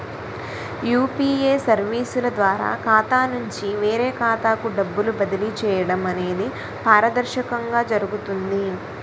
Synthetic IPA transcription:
juːpiːeːsɐɾʋiːsulɐd̪ʋaːɾa̰ːkaːt̪aːnuɲt͡ʃiʋe̞ːɾeːkaːt̪aːkuɖɐbːulubɐd̪ilit͡ʃɛːjɐɽɐmɐne̞ːd̪i | paːɾɐd̪ɐɾʃɐkɐŋɡaːd͡ʒɐɾuɡut̪und̪i

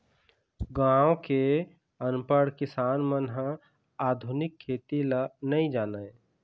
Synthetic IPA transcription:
ɡãːõke | ənpəɽkɪsaːnmənɦã | aːd̪ʱʊnɪkʰːeːt̪ilanəĩd͡ʒaːnə

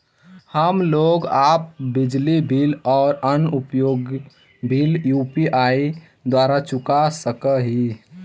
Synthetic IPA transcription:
həmloːɡaːp̚bɪd͡ʒlibʱilɔːɾənupjoːɡ | bʱiljuːpiʔai | d̪waːɾat͡ʃʊkasəkəɦi

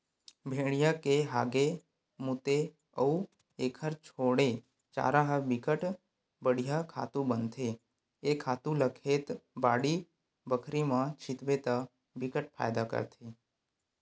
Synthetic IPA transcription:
bʱeɽ̃ijakeɦaɡe | mut̪e | əu | ekʰəɾt͡ʃʰoɽe | t͡ʃa̰ːɾaɦəbɪkəʈ | bəɽ̤ijakʰa̰t̪ũbənt̪ʰeː | kʰaːt̪ũləkʰet̪baɽi | bəkʰɾimãt͡ʃʰɪt̪ʋet̪a | bɪkəʈpʰa̰jd̪akə̰ɾt̪ʰe

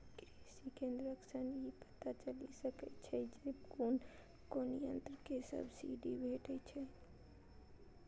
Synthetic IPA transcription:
kɾesikẽːnd̪ɾəksənɦipə̥t̪at͡ʃəlisəkət͡ʃʰɛd͡ʒebkoːn | konijə̰̃nt̪ɾkesə̰bsḭɖibʱeːʈɛt͡ʃʰɛ

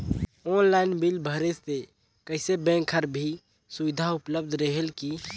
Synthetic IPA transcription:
ɔːnlaɪnbilbʱəɾest̪e | kəɦsebɛ̃ŋkʰəɾbʱi | suʋɪd̪ʱaʊpləb̚d̪ʱɾəɦelki

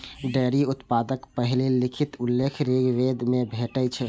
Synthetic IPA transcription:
ɖɛɾiʊt̪pad̪əkpəɦilelikʰit̪ʊlːekʰɾiɡʋed̪mebʱeʈət͡ʃʰɛ

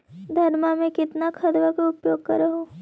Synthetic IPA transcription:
d̪ʱɐɾmamẽkɪt̪nakʰɐd̪ʋakaʊpjoːɡ̚kɐɾəɦoː

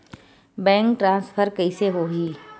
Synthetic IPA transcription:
bɛ̃ːŋkʈɾãːspʰəɾkɐiseɦoɦi

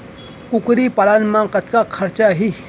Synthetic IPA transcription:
kukɾipalanmãkɐt̪kakʰɐɾt͡ʃaɦi

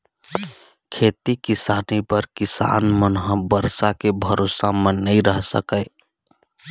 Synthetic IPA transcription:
kʰet̪ikisanipəɾkisa̰nmənɦə̃bəɾsakebʱəɾosamenəĩɾəɦsə̰kəɪ

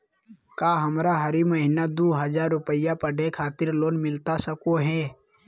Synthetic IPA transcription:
kaːɦɐmɾaɦɐɾiməɦɪnad̪uːɦəd͡ʒaːɾːʊpəɪjapəɖʱekʰaːt̪ɪɾloːnmɪlt̪asəkoɦɛː

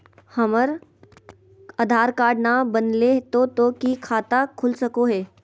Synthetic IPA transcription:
hɐməɾ | aːd̪ʱaːɾkaːɾɖnabənlet̪ot̪oːkikʰaːt̪akʰʊlsɐkoɦɛː

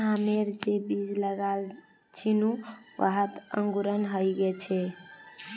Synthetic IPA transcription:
ɦameɾd͡ʒebid͡ʒləɡal | t͡ʃʰinuʋə̰ɦət̪ə̰ŋɡuɾənɦəjɡet͡ʃʰɛ

